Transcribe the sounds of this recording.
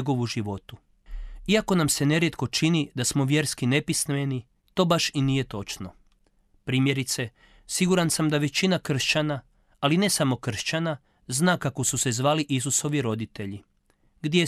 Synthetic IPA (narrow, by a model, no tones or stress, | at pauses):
ɡo̞ʋuʒiʋo̞t̪u | iako̞namse̞ne̞ɾje̞t̪ko̞t͡ʃinid̪asmo̞ʋje̞ːɾskine̞pisnʋeni | t̪o̞ːbaʃinije̞t̪o̞t͡ʃno̞ | pɾiːmje̞ɾit̪se̞ | siɡuɾansamd̪aʋe̞t͡ɕinakr̩ʃt͡ɕanaː | line̞samo̞kr̩ʃt͡ɕana | znaːkako̞suse̞zʋaːliʔis̬uso̞ʋiɾo̞d̪it̪e̞ʎi | ɡd̪je